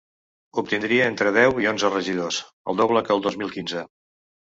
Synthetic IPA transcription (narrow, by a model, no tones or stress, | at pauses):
up̚t̪ind̪ɾiəent̪ɾəð̞ɛwionzərəʒið̞os | ə̰lˠd̪oβləkəlˠd̪ozmilˠkinzə